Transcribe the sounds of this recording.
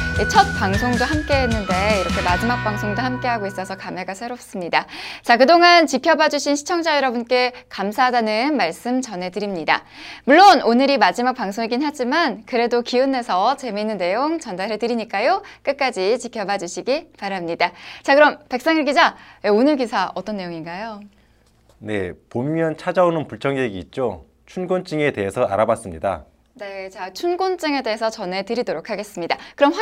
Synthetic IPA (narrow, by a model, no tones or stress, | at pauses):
et͡ɕʰʌt̚p͈aŋsʰoŋdohamk͈e̞ɦenːɯnde̞iɾʌkʰe̞mad͡ʑimak̚p͈aŋsʰoŋdohamk͈e̞ɦaɡois͈ʌsʰʌkame̞ɡasʰeɾop̚s͈ɯmɲidat͡ɕakɯdoŋant͡ɕikʰjʌbad͡ʑuɕʰinɕʰi̥t͡ɕʰʌŋd͡ʑajʌɾʌbunk͈e̞kamsʰaɦdanɯnmaɭs͈ɯmt͡ɕʌnɦe̞dɯɾimɲida̰ | muɭːononɯɾimad͡ʑimak̚paŋsʰoŋiɡinɦad͡ʑimankɯɾe̞dokiɯnːe̞sʰʌt͡ɕe̞minːɯnːe̞joŋt͡ɕʌndaɾetɯɾiɲik͈ajok͈ɯk̚k͈ad͡ʑit͡ɕikʰjʌbad͡ʑuɕʰiɡipaɾamɲidat͡ɕakɯɾʌmpek̚s͈aŋiɭɡid͡ʑaeonɯɭkisʰaʔʌt͈ʌnːe̞joŋinɡajo | ne̞̰pommjʌnt͡ɕʰad͡ʑaonɯnpuɭt͡ɕʰʌŋjeɡiːt̚t͡ɕ͈o | t͡ɕʰunɡont͡ɕ͈ɯŋe̞te̞ɦesʰʌa̰ɾabas͈ɯmɲida̰ | ne̞t͡ɕat͡ɕʰunɡont͡ɕ͈ɯŋe̞de̞ɦesʰʌt͡ɕʌne̞tɯɾidoɾokʰaɡe̞s͈ɯmɲidakɯɾʌmɸ